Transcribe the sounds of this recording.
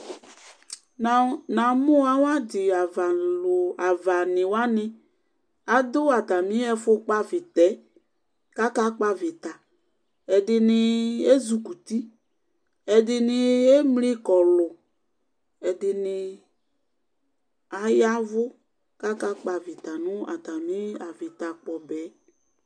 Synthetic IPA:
na˨nã˨mʊ˦a˨˦wa˦dɪ˨a˨va˨la˨va˨nɪ˨wa˦nɪ˦ | a˨dʊ˦a˨ta˨mĩ˦ɛ˦fʊ˦k͡pa˦vɪ˨tɛ˨˦ | ka˦ka˦k͡pa˦vɪ˨t̪a˨ | ɛ˨dɪ˨nɪ˨e˦zu˨ku˨t̪i˦ | ɛ˨dɪ˨nɪ˨e˦mli˦kɔ˨lʊ˨ | ɛ˨dɪ˨nɪ˨ | a˨ja˦vʊ˦ | ka˦ka˦k͡pa˨vɪ˨t̪a˨nʊ̃˦a̰˨t̪a˨mĩ˦a˨vɪ˨t̪a˨k͡pɔ˨bɛ˨˦

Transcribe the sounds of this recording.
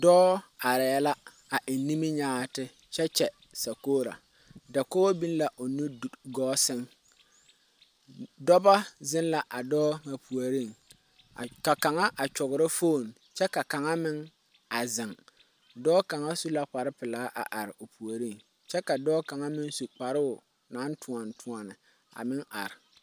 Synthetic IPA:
dɔː˦a˨ɾɛ˨a˦la˦ | a˨ʔɪ˨nːi˦mi˦ɲaː˦tɪ˦ | t͡ʃɛ˦t͡ʃɛ˨ | sa˨koː˦ɾa̰˨ | da˨ko˦o˦bi˦n˦la˨ʔo˨nu˦˨ɡɔː˦sɪ˦ŋ | dɔ˦ba˦zɪ˦nla˨ʔa˨dɔː˦ŋa˨pu˨a˨ɾi˦˨ŋ˨ | ka˨ka˨ŋa˦ʔa˨t͡ʃʊ˨ɣʊ˨ɾɪ˦fo˦˨n | t͡ʃɛ˦ka˨ka˨ŋa˦mɪ˦ŋ | a˨zɪ˨ŋ | dɔː˦ka˨ŋa˦su˦la˦k͡pa˨ɾɪ˦pɪ˨laː˨˦ʔa̰˨ʔa˨ɾɪ˨ʔo˨pu˨a˨ɾi˦˨ŋ | t͡ʃɛ˦ka˨dɔː˦ka˨ŋa˦mɪ˦su˨k͡pa˨ɾʊ˦ʊ˨ | na˨˦ntʰʊ˨a˨ntʰʊ˨a˨nɪ˨ | a̰˨mɪ˦ŋa̰˨ɾɪ˨

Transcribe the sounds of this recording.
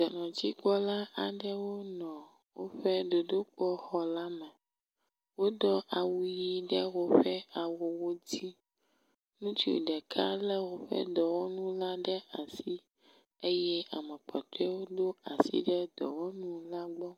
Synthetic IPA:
d̪ɔ˨nɔ̃˨t͡ɕi˦k͡pɔ˦la˦ʔa˨ɖɛ˦wo˦nɔ̃˨ | wo˦ɸɛ˦d̪o˨d̪o˦k͡pɔ˦xɔ˨˦la˦mɛ˨ | wo˦d̪ɔ˦ʔa˨wu˨ji˦ɖɛ˦wo˦ɸɛ˦a˨wo˨wo˦d͡ʑi˦ | nũ˦t͡ʃi˦o̰˨ɖɛ˨kʰa˦lɛ˦wo˨ɸɛ̰˦d̪ɔ˨wɔ˦nũ˦la˦ɖɛ˦a˨si˦ | e˦jɛ˦a˨mɛ̃˨k͡pɔ˨t̪ɛ˦wo˦d̪o˦a˨sḭ˦ɖɛ˦d̪ɔ̰˨wɔ˦nũ˦la˦ɡ͡bɔ˦

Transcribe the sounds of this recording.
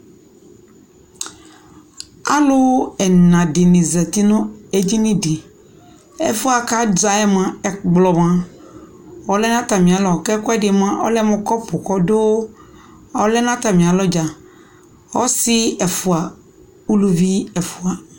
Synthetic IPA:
a˦lo˦ɛ˨nã˨ɖe˨nẽ˨zɛ˨t̪i˦nʊ̃˦e˦d͡ʑi˦nĩ˦ɖi˨ | ɛ̰˦fu˦a˨ka˦d͡ʒa˨ɛ˦mã˦ɛ˨ɡ͡blɔ˨mã˦ | wɔ˨˦lɛ˦nã˦t̪a˨mĩ˨a˨lɔ˨kɛ˦kɔ˦ɛ˦ɖe˨m˦ã˦ʔɔ̰˦lɛ˦mɔ̃˦kɔ˦po˨kɔ˦do˦ | ɔ˦lɛ˦nã˦t̪a˨mĩ˨a˨lɔ˦d͡ʒa˨ | wɔ˦si˦ɛ˨fu˨a˨ | u˦lu˦vi˦ɛ˨fu˨a˨

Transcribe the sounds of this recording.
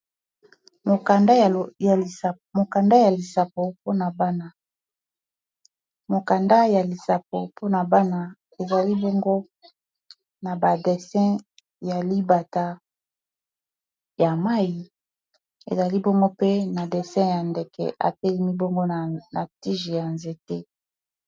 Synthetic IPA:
mo˨ka˨nda˦˨ | mo˨ka˨nda˦ja˨li˨sa˨po˨po˦na˨ba˦na˦ | mo˨ka˨nda˦ja˨li˨sa˨p̚o̰˨pʰo˦na˨ba˦na˨ | e˨za˨li˦bo˦ŋɡo˦ | na˨ba˨dɛ˨sɛ̃˦ | ja˨li˦ba˨ta˦ | ja˨ma˦ji˨ | ḛ˨za˨li˦bo˦ŋɡo˦pe˦na˨de˨sɛ̃˦ja˨nde˨kɛ̰˨ʔa̰˨tɛ˦li˦mi˦bo˦ŋɡo˦˨na˨ti˦ʒi˨ja˨nze˨te˦

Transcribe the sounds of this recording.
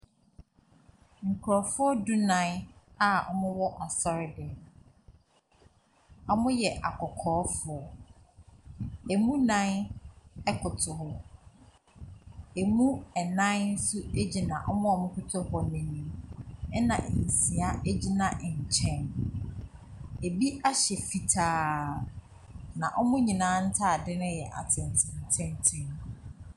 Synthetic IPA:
ŋ̩˨kʰʊ˨ɾɔ˨fʊ˦ɔ˦du˦nã˨˦n˦a˨ɔ̰˦mʊ̃˦wɔ˦ʔɔ˨sɔ˦ɾɪ˦dɛ˨ | ɔ˦mʊ̃˦jɛ˨ʔa˨kʰɔ˨kʰɔː˨˦fʊ˨ɔ˨ | e˨mũ˦nã˦n | ɛ˦kʰʊ˨tʰʊ˨hɔ˦ | e˨mũ˦ɛ˨nã˦nn̩˦sʊ˦e˦d͡ʑi˨nã˨ʔɔ˦mʊ̃˦ɔ˨mʊ̃˦kʊ˦tʰʊ˦hɔ˨mẽ˨nĩ˨mɛ˦nã̰˨ʔn̩˨sĩ˨a˦ʔe˦d͡ʑi˦nã˨ʔɲ̩˨t͡ɕʰɛ̃˦n | e˨bi˦ʔa˦ɕɛ˨fi˨tʰaː˨ | nã˨ʔɔ˦mʊ̃˦ɲĩ˨nãː˨˦n̩˦tʰa˦˨dɪ˦nʊ̃˦jɛ˨ʔa̰˨tʰɪ̃˨n˨tʰɪ̃˨n˨tʰɛ̃˦n˦tʰɪ̃˦n

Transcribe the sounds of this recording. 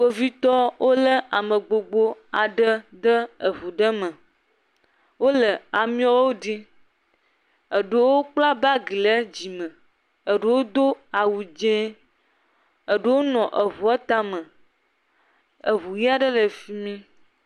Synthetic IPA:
k͡po˦vi˦t̪ɔ˦wʔo˦lə˦ʔa˨mə̃˨ɡ͡bo˨ɡ͡bo˦a˨ɖə˦ɖ̪ə˦ə˨βu˨ɖə˦mə̃˨ | wo˦lə˨a˨mĩ˦a˦wo˦ɖi˦ | ə˨ɖə˦wo˦k͡pla˦ba˦ɡi˨lə˦d͡ʑi˨mə̃˨ | ə˨ɖə˦wo˦d̪o˦a˨wu˨d͡ʒẽ˦ | ə˨ɖə˦wo˦nɔ̃˨ʔə˨βu˨a˦t̪a˦mə̃˨ | ə˨βu˨ji˦a˦ɖə˦lə˨fi˦mĩ˦

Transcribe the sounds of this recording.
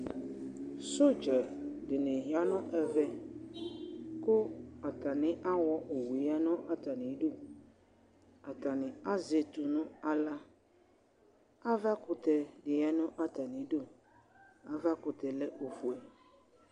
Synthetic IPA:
so˦d͡ʒɛ˨dɪ˨nɪ̃˨ɦi˨a˦nʊ̃˦ʔɛ˨vɛ˦ | kʊ˦a˨ta˨nɪ̃˦ʔa˦wɔ˦ʔo˨wu˨˦a˦nʊ̃˦ʔa˦ta˨nɪ̃˨˦do˦ | a˨ta˨nɪ̃˨a˦ze˨t̪ʊ˨nʊ̃˦a˨la˦ | a˦va˦kʊ˨tɛ˨dɪ˨a˦nʊ̃˦ʔa˦ta˨nɪ̃˨˦do˦ | a˨va˦kʊ˨tɛ˨lɛ˦ʔo˨fu˨ɛ˨

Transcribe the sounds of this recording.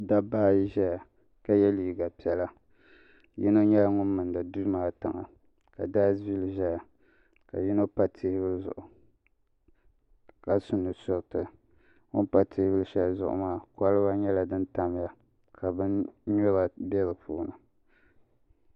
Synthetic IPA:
da˦baː˦˨ji˦ʒɛ˦ja˨ | ka˨jɛ˦liː˨ɡa˨pi˦ɛ˦la˦ | ji˦no˦ɲɛ˦la˦ŋʊ˦mːɨ˨ndɨ˨du˦maː˦tɨ˨ŋa̰˨ | ka˨da˦vi˦lʒɛ˦ja˨ | ka̰˨ji˦no˦pa˦tʰe˦hɪ˦bɨ˦lzʊ̰˨ʔʊ˨ | ka˨sʊ˨nːɨ˨sʊ˦ʔtɨ˨ | ŋʊ˦npa˦tʰe˦hbɨ˦ʃɛ˦lzʊ̰˨ʔʊ̰˨maː˦˨ka˦lɨ˦ba˦ɲɛ˦la˨dɨ˦nta˦m˦ja˨ | kʰa˨bɨ˦nɲɔ˦ba˨bɛ˦ɾɨ˨pʰuː˦nɨ˨

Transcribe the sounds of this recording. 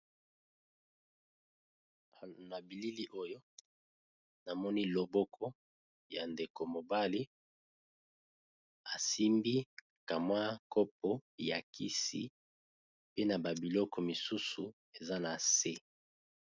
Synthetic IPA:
na˨bi˨li˦li˦ʔo˦jo˦ | na˨mɔ˦ni˦lo˨bɔ˦kʰɔ˦ | ja˨nde˨ko˨mo˨ba˦li˦ | a˨si˦mbi˦ | ka˨mwa˦kɔ˦p̚o˦˨ja˨ki˦sḭ˦ | pe˦na˨ba˨bi˨lɔ˦kɔ˨mi˨su˦su˨ | e˨za˦na˨se˦

